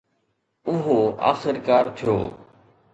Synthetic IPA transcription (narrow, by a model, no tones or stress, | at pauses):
ʊɦoa̰ːxɪɾkaːɾt̪ʰijo̰ː